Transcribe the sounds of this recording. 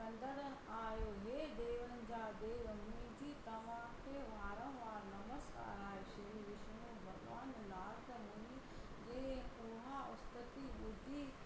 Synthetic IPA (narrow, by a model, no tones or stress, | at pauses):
ɐ̃nd̪əɾən | aːjoːɦeːd̪eːʋənd͡ʑaːd̪eːɐmid͡ʑiːt̪ɐmãːkʰeʋaːɾə̃ʋ̃ʋaːɾnɐməska̰ːɾaːɦeʃɐɾiʋɪʃmõbʱɐɡʋaːnlaːɾt̪ɐmɐni | d͡ʒeːpuːɦaʊst̪ət̪ibʊd̪ʱiː